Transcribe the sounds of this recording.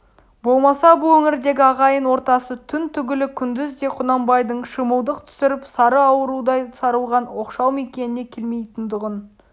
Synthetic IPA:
bo̞lˠmɑsɑbʊlˠwɵŋɪɾd̪e̞ɡʲɪɑʁɑjənwo̞ɾt̪ɑsət̪ʰʏnt̪ʰʏɡʲɪlɪkʲʰʏnd̪ɪzd̪e̞qʰʊnɑmbɑjd̪əɴʃəməlˠd̪əq̚t̪ʰʏ̥sɪɾɪpsɑɾəɑwəɾud̪ɑjsɑɾəlˠʁɑnwo̞qʃɑwme̞kʲe̞nɪne̞kʲʰelme̞jt̪ɪnd̪əʁən

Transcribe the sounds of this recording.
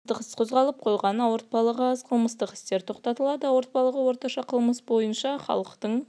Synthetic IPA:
əqəsqʰo̞zʁɑlˠəp̚qʰo̞jʁɑnəwoɾt̪̚pɑlˠəʁəɑzqʰəlˠməst̪əqɪ̥st̪e̞ɾt̪ʰo̞qt̪ɑt̪əlˠɑd̪əwo̞ɾt̪̚pɑlˠəʁəwo̞ɾt̪ɑʃɑqʰəlˠməsbo̞jənʃɑχɑ̰lˠəqt̪əɴ

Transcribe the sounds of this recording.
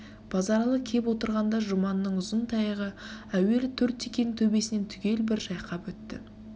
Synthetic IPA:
b̥ɑzɑɾɑlˠəkʲʰe̞p̬wo̞t̪əɾʁɑnd̪ɑʒʊmɑnəːəɴʊzənt̪ʰɑjəʁəæwe̞lt̪ʰɵɾt̪ːekʲenɪŋt̪ʰɵbe̞sɪne̞nt̪ʰʏɡʲe̞lbɪɾʒɑjqʰɑpwɵt̪ːɪ̰

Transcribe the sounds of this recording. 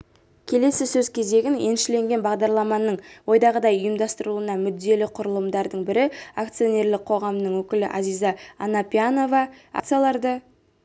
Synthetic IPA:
kʲʰe̞le̞sɪsɵzkʲʰe̞ze̞ɡʲɪne̞̰nʃɪle̞ŋɡʲe̞nbɑʁd̪ɑɾlˠɑmɑnːəɴwo̞jd̪ɑʁəd̪ɑjʊjəmd̪ɑst̪əɾuənɑmʏd̪ːe̞lɪqʰʊɾəlˠəmd̪ɑɾd̪əɴbɪɾɪak̚t̪sijo̞nʲe̞ɾlɪk̚qʰo̞ʁɑmnəɴwɵkʲɪlɪʔazijzɑːnɑpʲiano̞vɑa̰kt̪sijalˠɑɾd̪ə

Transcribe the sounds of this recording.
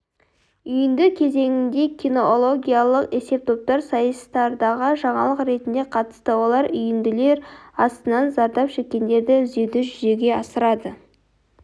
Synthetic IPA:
ʏjɪnd̪ɪkʲʰe̞ze̞ŋʲɪnd̪e̞kʲʰino̞lˠo̞ɡʲijalˠəqe̞se̞p̚t̪ʰo̞p̚t̪ɑɾsɑjəst̪ɑɾd̪ɑʁəʒɑɴɑlˠəqɾe̞t̪ɪnd̪e̞qʰɑt̪ə̥st̪əwo̞lˠɑɾʏjɪnd̪ɪle̞ɾɑst̪ənɑnzɑɾd̪ɑpʃe̞kʲːe̞nd̪e̞ɾd̪ɪʏze̞t̪ɪʒʏze̞ɡʲe̞ɑsəɾɑd̪ə

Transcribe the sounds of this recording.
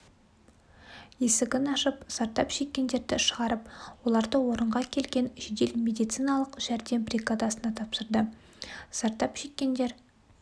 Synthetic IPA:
je̞sɪɡʲɪnɑʃəpsɑɾt̪ːɑpʒe̞kʲːe̞nd̪e̞ɾd̪ɪʃəʁɑɾəpwo̞lˠɑɾd̪əwo̞ɾəɴʁɑkʲʰe̞lɡʲe̞nʒed̪e̞lmʲe̞d̪ijt̪sɨjnɑlˠəqʒ̥æɾd̪e̞mbɾʲiɡad̪ɑsənɑt̪ʰɑpsəɾd̪ə | sɑɾt̪ːɑpʒ̥e̞kʲːe̞nd̪e̞ɾ

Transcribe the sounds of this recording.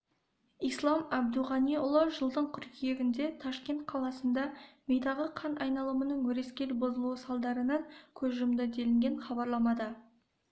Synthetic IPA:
ijslˠɑmæb̚d̪uʁɑniʊlˠəʒəlˠd̪əɴqʰʏɾkʲʰije̞ɡʲɪnd̪e̞t̪ʰɑʃkʲe̞nt̪̚qʰɑlˠɑsənd̪ɑmejt̪ɑʁəqʰɑnʔɑjnɑlˠəmənəɴwɵɾe̞skʲe̞lbozəlˠuwəsɑlˠd̪ɑɾənɑŋkʲʰɵzʒəmd̪əd̪e̞lɪŋɡʲenχɑbɑɾlˠɑmɑd̪ə

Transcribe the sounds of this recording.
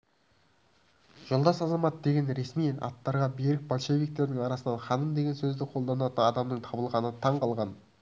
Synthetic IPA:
ʒ̥olˠd̪ɑsɑzɑmɑt̪̚d̪e̞ɡʲenɾe̞smijɑ̰t̪ːɑɾʁɑbeɾɪk̚bolˠʃe̞vijk̚t̪e̞ɾd̪ɪŋɑɾɑsənɑnχɑnəmd̪e̞ɡʲe̞nsɵzd̪ɪqʰo̞lˠd̪ɑnɑt̪ənɑd̪ɑmnəɴt̪ʰɑbəlˠʁɑnət̪ʰɑɴqʰɑlˠʁɑn

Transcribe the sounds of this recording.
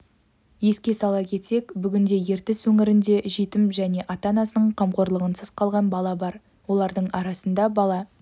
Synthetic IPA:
je̞skʲe̞sɑlˠɑkʲʰe̞t̪se̞kbʏɡʲɪnd̪e̞je̞ɾt̪ɪswɵŋɪɾɪnd̪e̞ʒit̪ɪmʒæne̞ʔɑt̪ɑnɑsənəɴqʰɑmqo̞ɾlˠəʁənsəz̥qʰɑlˠʁɑnbɑlˠɑbɑɾ | wo̞lˠɑɾd̪əɴɑɾɑsənd̪ɑbɑlˠɑ

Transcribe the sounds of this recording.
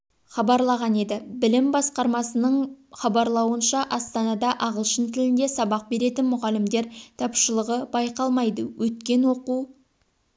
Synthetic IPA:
χɑbɑɾlˠɑʁɑne̞d̪ɪbɪlɪmbɑsqɑɾmɑsənəɴχɑbɑɾlˠɑwənʃɑʔɑst̪ɑnɑd̪ɑʔɑʁəlˠʃənt̪ʰɪlɪnd̪e̞sɑbɑq̚be̞ɾe̞t̪ɪnmʊʁɑlːɪmd̪e̞ɾt̪ʰɑpʃəlˠəʁəbɑjqɑlˠmɑjd̪əwʔɵt̪kʲe̞nwo̞quw

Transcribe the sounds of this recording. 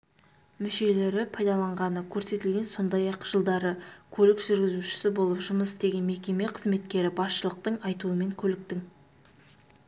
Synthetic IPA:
mɪʃe̞le̞ɾɪpʰɑjd̪ɑlˠɑɴʁɑnəkʲʰɵɾse̞t̪ɪlɡʲe̞nso̞nd̪ɑjɑqʒ̥əlˠd̪ɑɾəkʲʰɵlɪkʒ̥ʏɾɡʲɪzuʃɪ̥sɪbo̞lˠəpʒʊməsd̪e̞ɡʲe̞nme̞kʲe̞me̞qʰəzme̞t̪kʲe̞ɾɪbɑsʃəlˠəq̚t̪əɴɑjt̪uəme̞ŋkʲʰɵlɪk̚t̪ɪŋ

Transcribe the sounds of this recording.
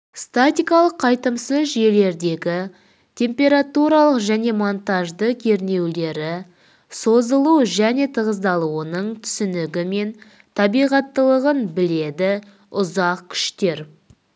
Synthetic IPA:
st̪at̪ʲijkɑlˠəqʰːɑjt̪əmsəzʒe̞le̞ɾd̪e̞ɡʲɪ | t̪ʲʰe̞mpʲe̞ɾat̪uɾɑlˠəqʒæne̞mo̞nt̪ɑʒd̪əkʲʰe̞ɾne̞wle̞ɾɪ | so̞zəlˠuʒæne̞t̪ʰəʁəzd̪ɑlˠuənəɴt̪ʰʏ̥sʏnɪɡʲɪme̞n | t̪ʰɑbijʁɑt̪ːəlˠəʁənbɪle̞d̪ɪ | ʊzɑq̚kʲʰʏ̥ʃt̪e̞ɾ

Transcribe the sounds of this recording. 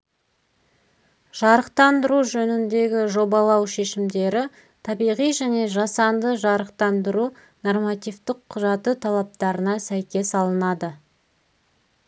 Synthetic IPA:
ʒ̥ɑɾəqt̪ɑnd̪əɾuʒɵnɪnd̪e̞ɡʲɪʒo̞bɑlˠɑwʃe̞ʃɪmd̪e̞ɾɪ | t̪ʰɑbijʁijʒæne̞ʒɑsɑnd̪əʒɑɾəqt̪ɑnd̪əɾu | no̞rmat̪ijvt̪ɪqʰːʊʒɑt̪ət̪ʰɑlˠɑp̚t̪ɑɾənɑsæjkʲe̞sɑlˠənɑd̪ə

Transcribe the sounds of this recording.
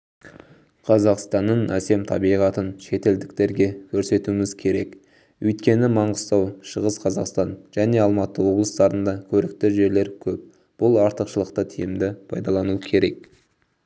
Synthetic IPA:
qʰɑzɑqst̪ɑnːənæse̞mt̪ʰɑbijʁɑt̪ənʃe̞t̪e̞ld̪ɪk̚t̪e̞ɾɡʲe̞kʲʰɵɾse̞t̪uɪmɪzkʲʰe̞ɾe̞k | wɵjt̪kʲe̞nɪmɑɴʁəst̪ɑwʃəʁəsqʰɑzɑqst̪ɑnʒ̥æne̞ɑlˠmɑt̪əwo̞blˠəst̪ɑɾənd̪ɑkʲʰɵɾɪk̚t̪ɪʒe̞ɾle̞ɾkʲʰɵp̚ | b̥ʊlˠɑɾt̪əqʃəlˠəqt̪ət̪ʰijɪmd̪ɪpʰɑjd̪ɑlˠɑnukʲʰe̞ɾe̞k

